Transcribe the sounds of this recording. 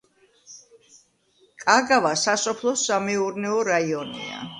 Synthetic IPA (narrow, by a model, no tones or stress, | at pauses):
kʼaɡavasasɔpʰlˠɔsamɛuɾnɛɔɾaiɔnḭa̰